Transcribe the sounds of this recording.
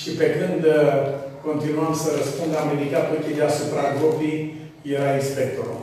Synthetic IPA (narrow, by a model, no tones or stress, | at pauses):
ʃipe̞kɨnd̪ | ko̞nt̪inuamsəɾəspund̪lamed̪ikat̪ukid̪easupɾaɡɾopi | jeɾainspe̞k̚t̪oɾo̰